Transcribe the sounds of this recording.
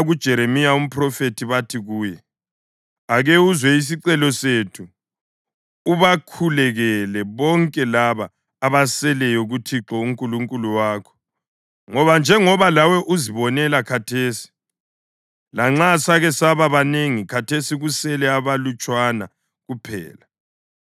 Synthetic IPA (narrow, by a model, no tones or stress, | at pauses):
ɣud̥ʒ̥ʱɛɾemijaum̩pʰʼrɔfetʰiβatʰiɣuːjɛ | aɣeuzwɛis̬iǀɛlɔsetʰu | βakʰulɛɣɛlɛβɔŋkʼɛlaβaː | βasɛlɛjɔɣutʰiǁɔuŋkʼuluŋkʼuluwaːkʰɔ̥ | ŋɔβand͡ʒʱɛŋɔβalawɛʔuziβɔnɛlakʰatʰeːsi̥ | laŋ͡ǁasaɣɛsaβaβaneŋikʰatʰesiɣusɛlɛaβalut͡ʃʼwana̰ | ɣupʰɛ̰ːla